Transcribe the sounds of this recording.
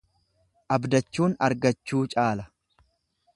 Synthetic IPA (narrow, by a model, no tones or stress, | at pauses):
ʔɐbd̪ɐt͡ʃːuːnɐ̰ɾɡɐt͡ʃːuːt͡ʃʼaːlɐ